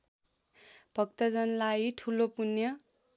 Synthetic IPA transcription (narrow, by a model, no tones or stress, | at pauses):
b̥ʱʌkt̪ʌd͡zʌnlaiʈʰulopunjʌ